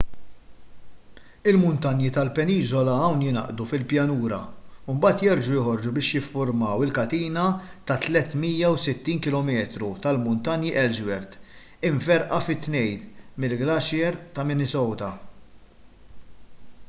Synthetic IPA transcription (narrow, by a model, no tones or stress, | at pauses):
ɪlmʊnt̪ɐnjit̪ɐlpɛniːzɔlɐɐwnjɪnɐ̰ʔd̪ufɪlpjɐnuːɾɐ̰umbɐːt̪jɛɾd͡ʒujɔhɔɾd͡ʒubɪːʃjɪfːʊɾmɐwɪlkɐt̪iːnɐt̪ɐt̪lɛt̪ːmiːjɐwsɪt̪ːiːnkɪlɔmɛːt̪ɾut̪ɐlmʊnt̪ɐnjiʔɛld͡ʒwɛɾt̪ | ɪɱfɛɾʔɐfɪt̪ːnɛjlmɪlɡlɐʃjɛɾt̪ɐmɪnɪsɔwt̪ɐ